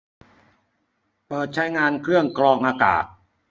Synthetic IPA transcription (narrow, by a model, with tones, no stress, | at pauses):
pɤː˨˩t̪̚t͡ɕʰa˦˥jŋaː˧nkʰɾɯ˥˩əŋkɾɔː˧ŋʔaː˧ka̰ː˨˩t̪̚